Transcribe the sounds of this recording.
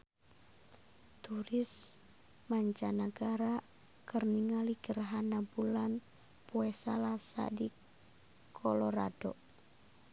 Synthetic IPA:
t̪uɾɪs | maɲt͡ʃanaɡaɾa | kərniŋaliɡ̥ərɦanabulan | puɛsalasa̰di | kʰɔlɔɾa̰d̥ɔ

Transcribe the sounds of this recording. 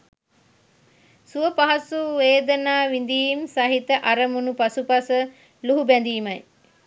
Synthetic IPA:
suʋəpaɦasuʋeːd̪ənaːʋind̪iːmsaɦit̪əʔaɾəmunupasupasə | luɦubɛnd̪iːmɐj

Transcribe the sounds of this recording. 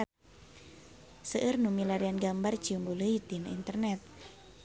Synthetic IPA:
səʔərnumilaɾianɡambar̥d͡ʒiuŋboləid̪̥inaʔint̪ərnɛt̪̚

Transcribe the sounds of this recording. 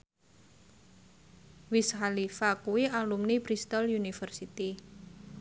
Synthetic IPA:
wishalifakuwialumnibɾist̪ɔljunifərsit̪i

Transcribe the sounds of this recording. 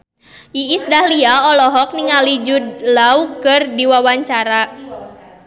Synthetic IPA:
ʔiːsdahliaɔlɔɦɔk̚niŋalid͡ʒudlaukɨrdiwawaɲt͡ʃaɾa

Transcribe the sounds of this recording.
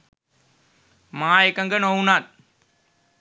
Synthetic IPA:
maːjɐkːɐŋɡɐnonaːt̚

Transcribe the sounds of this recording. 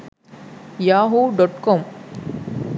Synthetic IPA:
jaːɦuːɖɔʈkɔːm

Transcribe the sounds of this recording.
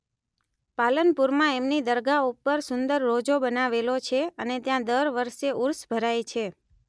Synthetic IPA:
palənpuɾmãemnid̪əɾɡaupːəɾsʊnd̪əɾːod͡ʒobənaʋelot͡ʃʰeənet̪jãd̪əɾʋəɾʃeuɾsbʱəɾajt͡ʃʰe

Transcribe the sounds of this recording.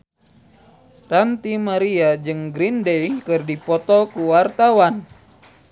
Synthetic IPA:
rant̪imaɾiad͡ʒɨŋɡɾindejkɨrdipɔt̪ɔkuwart̪awan

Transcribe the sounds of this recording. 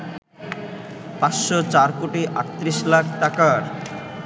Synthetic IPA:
pat̪ʃot͡ɕaɾkoʈiʔa̰ʈt̪ːɾiʃlakʰʈakaɾ

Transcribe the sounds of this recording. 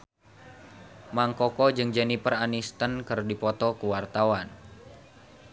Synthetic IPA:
maŋkɔkɔd͡ʒɨŋd͡ʒanipəranist̪ənkɨrdipɔt̪ɔkuwart̪awan

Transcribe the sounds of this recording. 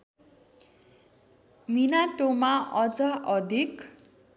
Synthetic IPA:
minaʈomaʔʌd͡zaʔʌd̪ʱik

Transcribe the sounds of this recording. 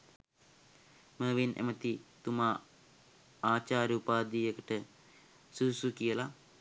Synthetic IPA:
məːʋinʔḛmət̪it̪umaː | aːt͡ʃaːɾiupaːd̪iːjəkəʈə | suusukijəla

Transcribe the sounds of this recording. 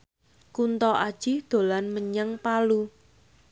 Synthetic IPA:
kunt̪ɔʔad̥ʒ̥ihd̪̥o̤lanməɲəŋpalu

